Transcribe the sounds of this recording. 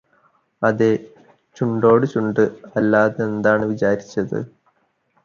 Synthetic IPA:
ɐðe | t͡ɕuɳɖo̞ːɽɨt͡ɕuɳɖɨɐlːaːðeend̪aːɳɨʋit͡ɕaːɾit͡ɕːɐðɨ̰

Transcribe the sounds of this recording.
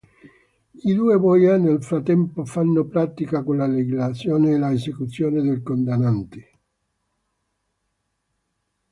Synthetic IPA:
id̪uːevɔjanelfɾat̪ːɛmpofanːopɾat̪ikakonlaleɡilat̪sːjɔːneːlaesekut̪sːjɔːned̪elkond̪anːant̪e̥

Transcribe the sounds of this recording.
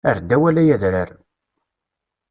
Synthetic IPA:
əɾd̪ːæwælæjæðɾəɾ

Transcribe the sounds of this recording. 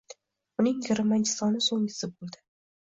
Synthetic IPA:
ʊnɪŋjɪɾɪmant͡ʃɪ̥sɒnɪsoŋɪsɪbolˠd̪ɪ

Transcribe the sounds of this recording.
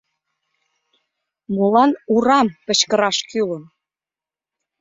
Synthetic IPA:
mulɑnuɾɑmpə̆t͡ɕkəɾɑʃkyləm

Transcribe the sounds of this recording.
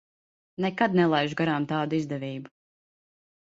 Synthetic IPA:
nɛkad̪̚nɛlˠajʒɡaɾaːmt̪aːd̪uizd̪ɛviːbu

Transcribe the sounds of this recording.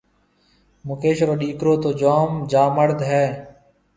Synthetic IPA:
mʊkeːʃɾoːɗiːkɾoːt̪oːd͡ʒaːmd͡ʒaːməɽd̪ɦɛː

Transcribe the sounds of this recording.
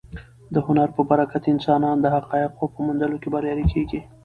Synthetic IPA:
d̪əhʊnaɾpəbaɾakat̪ɪnsɑnɑnd̪əhaqɑɪqːopəmʊnd̪əlokebaɾjɑɾikʰeɡi

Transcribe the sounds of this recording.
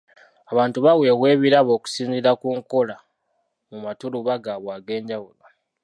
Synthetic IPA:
aβaːntuβaweβwe̞ːβiɾaβo̞ːku̥siːnziɾakuːŋko̞la | mumatuluβaɡaβwaːɡe̞ːɲɟawulo

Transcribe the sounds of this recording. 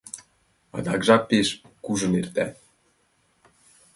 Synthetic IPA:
ɑ̰d̪ɑkʒɑpeʃkuʒɤ̆nert̪æ

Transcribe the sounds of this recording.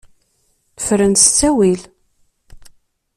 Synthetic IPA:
θfɾənst͡sːæwil

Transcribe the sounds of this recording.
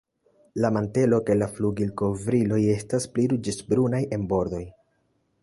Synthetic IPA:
lamante̞lo̞ke̞lafluɡilko̞vɾilo̞je̞staspliɾud͡ʒesbɾunajʔe̞nbo̞ɾd̪o̞j

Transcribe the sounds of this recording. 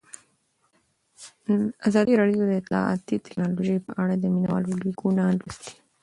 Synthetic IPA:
azɑd̪iɾɑɖijod̪əɪt̪lɑ̰ɑ̰t̪it̪ɪ̥knɑloʒəjpəʔaɽad̪əminawɑ̰loliɡunalist̪i̥

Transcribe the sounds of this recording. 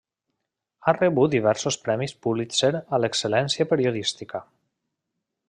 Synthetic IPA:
areβut̪d̪iβ̞ɛɾsospɾɛmispuβliseɾalekselɛnsiapeɾioð̞ist̪ika

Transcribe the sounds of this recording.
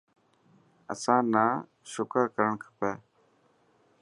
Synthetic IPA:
ə̰sãːnaː | ʃʊkaːkəɾəɳkʰə̥pɛː

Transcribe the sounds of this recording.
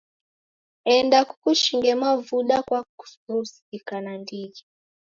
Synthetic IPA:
ɛndakukuʃiŋɡɛmavuɗakwaku̥ɾusi̥kikanandiɡi

